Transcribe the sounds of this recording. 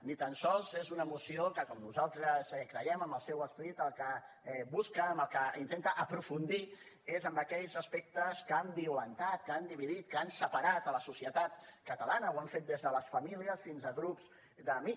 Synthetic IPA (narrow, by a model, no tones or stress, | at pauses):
nit̪ənsɔlˠzezunəmusiokəkɔmnuzalˠt̪ɾəzɛkɾəjɛməmbəlˠsɛwəspəɾit̪əlˠkə | ɛβuskəːmbəlˠkəint̪ent̪əʔəpɾufund̪i | ezəmbəkɛʎzəspek̚t̪əskambiulənt̪at̪̚kand̪iβiðit̪̚kəansəpaɾat̪ələsusiət̪at̪kət̪əlanəwaɱfet̪̚d̪ezðələsfəmiliəsfinzəɣɾupz̥ | d̪əmi